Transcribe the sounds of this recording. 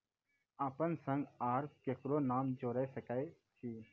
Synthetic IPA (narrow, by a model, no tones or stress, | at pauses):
aːpənsə̃ŋɡaːɾt̪̚keːkɾonaːmd͡ʒoːɾɛsəkaːe | t͡ʃʰiː